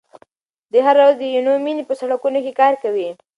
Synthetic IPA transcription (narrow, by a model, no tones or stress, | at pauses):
d̪əɦaɾazd̪əjunominipəsaɽakunokekɑɾkawi